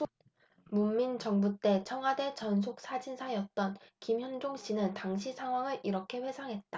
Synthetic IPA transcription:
mumːint͡ɕʌŋbut͈e̞t͡ɕʰʌŋɦwade̞t͡ɕʌns̬ʰok̚s͈ad͡ʑinsʰajʌt̚t͈ʌnkimçjʌnd͡ʑoŋɕ͈inɯntaŋɕʰisʰaŋɦwaŋɯɾʔiɾʌkʰe̞ɸwe̞sʰaŋɦe̞t̚t͈a

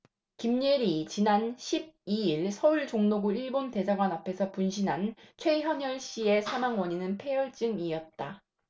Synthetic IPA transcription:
kimɲiɾit͡ɕinanɕʰib̚iiɭsʰʌuɭt͡ɕoŋnoɡuiɭbonte̞sʰaɡwanapʰe̞sʰʌpunɕʰinɦant͡ɕʰwe̞çjʌɲʌɭɕ͈ie̞sʰamaŋwʌɲinɯnpʰe̞jʌɭt͡ɕ͈ɯŋiʌt̚t͈a

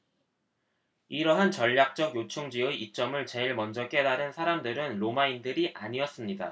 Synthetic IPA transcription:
iɾʌɦant͡ɕʌʎːak̚t͡ɕ͈ʌɡjot͡ɕʰoŋd͡ʑiɯit͡ɕ͈ʌmɯɭt͡ɕe̞iɭmʌnd͡ʑʌk͈e̞daɾɯnsʰaɾamdɯɾɯnɾomaindɯɾiʔaɲiʌs͈ɯmɲida̰

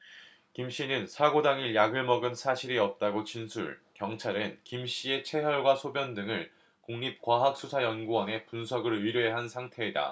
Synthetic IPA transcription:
kimɕ͈inɯnsʰaɡodaŋiɭjaɡɯɭmʌɡɯnsʰaɕʰiɾiʌp̚t͈aɡot͡ɕinsʰuɭkjʌŋt͡ɕʰaɾɯnkimɕ͈ie̞t͡ɕʰe̞ɦjʌɭɡwasʰobjʌndɯŋɯɭ | kuŋɲip̚kwaɦak̚s͈ʰusʰajʌnɡuwʌne̞punsʰʌɡɯɭɯɾjoeɦansʰaŋtʰe̞ːda̰

